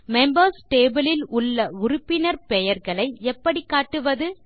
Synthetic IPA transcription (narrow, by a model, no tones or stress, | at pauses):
mɛmbɐɾsʈeːbɪlɪlʊɭːɐʊɾʊpːɪnɐɾpɛjɐɾɣɐɭɐɪɛpːɐɽikːaːʈːɯʋɐðɯ